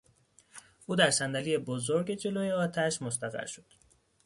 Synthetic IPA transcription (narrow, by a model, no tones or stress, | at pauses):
ʔuːd̪æɾsænd̪ælijebozoɾɟe̞d͡ʒe̞loːjeɒːt̪ʰæʃmost̪æɣæ̰ɾʃod̪̥